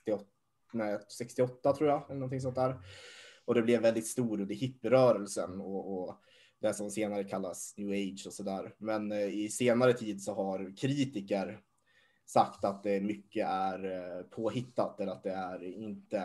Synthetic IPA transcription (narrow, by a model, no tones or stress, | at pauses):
t̪ɪ | nɛsɛkst̪ɪɔt̪ːat̪ʰɾuːjaɛlːənɔnt̪ɪŋsɔnt̪æːɾ | ɔd̪ɛblɛvːɛld̪ɪt̪st̪uːɾʉnd̪əhɪpːɪɾœːɾəlsənɔɔ | d̪ɛsɔmseːnaɾəkʰalːasnjʉːeɪd̪ʂɔsɔd̪æːɾmɛnɪseːnaɾət̪ʰiːd̪sɔɦaɾkʰɾiːt̪ɪkəɾ | sakt̪at̪̚d̪ɛmʏkːəæɾpʰoːhɪt̪ːat̪ɛlːəɾat̪̚d̪ɛæɾɪnt̪ə